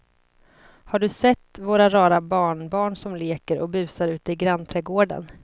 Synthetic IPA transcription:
haɖɵsɛt̪ːvoːɾaɾɑːɾabɑːɳbɑːɳsɔmleːkəɾʔɔ̰k̚bʉ̟ːsaɾʉ̟ːt̪əɪɡɾanːt̪ʰɾɛɡoːɖə̰n

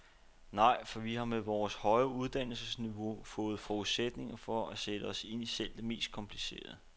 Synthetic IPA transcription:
nɑ̈ɪ̰fɒ̽ʋihɑ̈meʋɒːshɒ̽ɪɐuð̞ˠd̥æn̰l̩səsniʋo̝fɔ̽ːð̞̩ˠfɒuð̩ˠsed̥ne̝ŋɐfɒ̽æsed̥əɒ̽se̝n̰isel̰d̥eme̝̰ːsd̥̚kʰɒ̽mpʰlise̝̰ːɐð̩ˠ

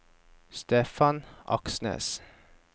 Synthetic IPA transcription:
st̪eːfɑnʔɑ̰ksnḛːs

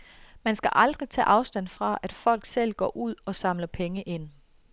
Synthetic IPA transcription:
mænsɡ̥æʔɑ̈ld̥ʁit͡sʰɛ̰ːʔɑ̈ʊsd̥æn̰fʁɑ̈æd̥fɒ̽l̰ɡ̥sel̰ɡ̥ɒ̰ːʔuð̞̰ˠɒ̽sɑ̈mlɐpʰeŋəʔe̝n̰

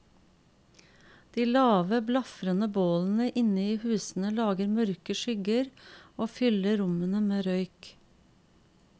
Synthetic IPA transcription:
d̪̥iːlɑːʋəblɑfɾənəboːln̩əʔɪnəiːhʉːsn̩əlɑːɡəɾmœɾkəʃʏɡəɾoːfʏləɾʊmənəmeːɾœʏk

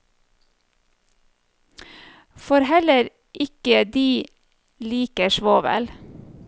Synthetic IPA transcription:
fɔɾhɛləɾ | ʔɪkəd̪iː | liːkəʃʋoːʋɛ̰l

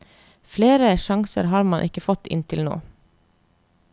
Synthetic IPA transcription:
fleːɾəʃɑŋsə̰ɾhɑːɾmɑnʔɪkəfɔt̪ɪ̰nt̪ʰɪlno̰ː

